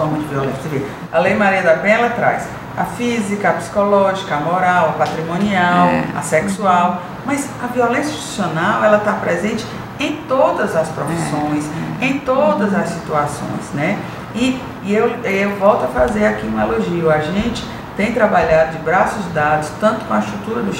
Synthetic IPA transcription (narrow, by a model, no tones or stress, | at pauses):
fɔɾmɐd͡ʒɪviɔlẽsɐseveɾ | ɐlejmaɾiɐd̪abẽj̃ɛlɐt̪ɾa̰js | ɐfizikɐɐpsi̥kɔlɔʒikɐɐmɔɾawɐpat̪ɾimõniawɐ̰sɛksuaw | mɐz | ɐviɔlẽsjɐi̥sionawɛlɐt̪apɾɛzẽnt͡ʃɪ̥ | ẽj̃t̪od̪ɐzɐspɾofisõj̃sẽj̃t̪od̪ɐzɐsːit̪uasõ̰j̃snɛ | ɪ | ewewvɔwt̪ʊɐfazeɾakiũmɐeloʒiɐaʒẽnt͡ʃɪ̥ | t̪ẽj̃t̪ɾabaʎad̪ʊd͡ʒɪbɾasʊzd̪ad̪ʊst̪ɐ̃nt̪ʊ̥kõɐst̪ɾut̪uɾɐd̪ʊ